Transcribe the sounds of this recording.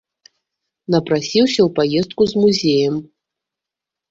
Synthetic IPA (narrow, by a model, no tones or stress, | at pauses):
nɐprasʲiwsʲɐwpajezt̪̚kuzmuzʲejɐm